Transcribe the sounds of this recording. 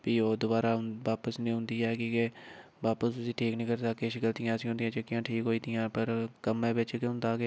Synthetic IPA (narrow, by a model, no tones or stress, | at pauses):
piːoːd̪ʊbaːɾaːʊʋaːpəsnĩːɦʊ̃nd̪iːɛːkɪke | ʋaːpəst̪ʊsiːʈʰiːknĩːkəɾsəkːeːʃəkəlt̪ijãːsĩːɦʊnd̪ijãːt͡ʃəkːijãːʈʰiːkɦoːiːt̪ijãːpəɾkəmɛ̃ːbɪt͡ʃkeʊ̃nd̪aːkeː